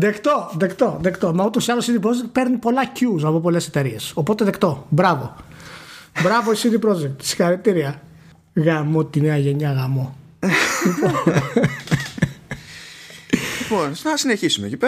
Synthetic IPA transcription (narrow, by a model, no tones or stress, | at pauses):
ðekt̪oðekt̪o̞ðekt̪o̞mɐot̪osiɐlosiðipɾod͡ʒek̚t̪̚pe̞ɾnipo̞lɐcuzɐpop̬o̞le̞set̪e̞ɾie̞so̞po̞t̪e̞ðekt̪o̞bɾɐvo̞̰ | bɾɐvoisiðipɾo̞d͡ʒek̚t̪si̥xɐɾit̪iɾiɐ | ɣɐmot̪ineɐʝeɲɐɣɐmo̞ | lipo | liponnɐsineçisumḛcipe